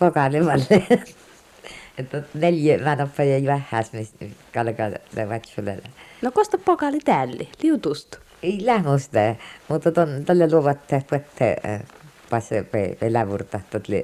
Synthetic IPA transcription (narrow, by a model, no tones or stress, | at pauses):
pokɑleʋɑlːe | t̪ːot̪neljemænopːɑjɑjuæhːæsmiskɑlkɑ̰nḛʋɑt̪ʲulḛlnokost̪ɑppokɑlit̪æːlːḭliut̪ust̪ | eilæhmost̪æmut̪ːɑt̪ont̪ælːeluoʋɑt̪ːehp̪uet̪ʰːḛ | pɑspḛpelæʋurt̪ɑht̪ot̪lḭ